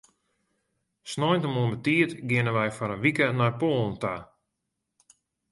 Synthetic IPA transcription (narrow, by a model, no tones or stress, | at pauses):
snɔjntəmuənbətiətɡɪnəʋɛjfɔɾənʋikənapoːn̩ta